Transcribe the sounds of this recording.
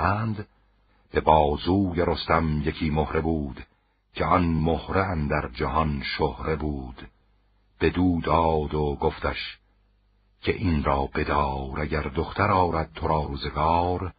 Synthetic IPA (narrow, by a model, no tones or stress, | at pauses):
ænd̪ | b̥e̞bɒːzuːjeɾost̪æmje̞cʰiːmohɾe̞buːd̪̥ | cʲʰeɒnmohɾeænd̪æɾd͡ʒæhɒnʃohɾe̞buːd̪̥ | b̥e̞d̪uːd̪ɒːd̪oɡoft̪æʃ | cʲʰeʔinɾɒːb̥e̞d̪ɒːɾæɟæɾd̪oxt̪ʰæɾɒːɾæd̪̥̚t̪ʰoɾɑːɾuːze̞ɡɑːɾ